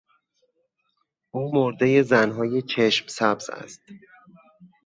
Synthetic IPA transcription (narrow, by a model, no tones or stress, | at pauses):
ʔuːmoɾd̪e̞je̞zænɦɒːje̞t͡ʃʰe̞ʃmsæbz̥æ̰st̪